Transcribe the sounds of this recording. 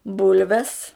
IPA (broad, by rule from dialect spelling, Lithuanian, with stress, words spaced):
ˈbʊlʲʋʲɛs